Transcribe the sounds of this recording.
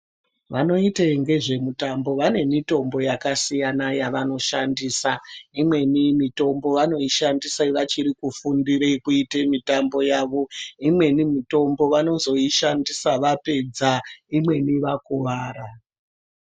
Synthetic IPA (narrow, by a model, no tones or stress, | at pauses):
ʋano̞iteŋɡe̞ʐe̞mutambo̞ʋane̞mito̞mbo̞jakasijanajaʋano̞ʃandiːsaimwe̞nimito̞mbo̞ʋano̞iʃandisaiʋat͡ʃiɾikufundirekuitemitambo̞jaʋo̞imwe̞nimito̞mbo̞ʋano̞zo̞iʃandisaʋape̞d͡zaimwe̞niʋakuʋaːɾa